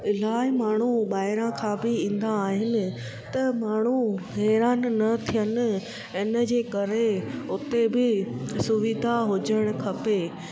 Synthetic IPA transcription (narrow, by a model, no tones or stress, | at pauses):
ɪlaːɪmaːɳ̤uɓaːɦɪɾãkʰãːbɪĩːn̆d̪aːɦɪnɪ̆ | t̪ɐmaːɳ̤uɦɛːɾaːnːɐt̪ʰijənɪ̆ | ɪnə̆d͡ʑeːkɐɾeʊt̪ebɪsʊʋɪd̪ʱaɦʊd͡ʑəɽ̃̆kʰɐpeː